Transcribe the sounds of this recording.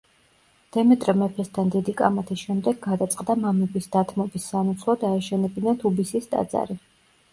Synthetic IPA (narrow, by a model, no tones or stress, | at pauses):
d̪̥ɛmɛt̪ʼɾɛmɛpʰɛst̪ʰand̪id̪ikʼa̰mat̪ʰisʃɛmd̪ɛɡːad̪at̪sʼqʼd̪amamɛbisd̪at̪ʰmɔbisːanut̪sʰlˠɔd̪aɛʃɛnɛbinat̪ʰubisist̪ʼa̰d̪za̰ɾi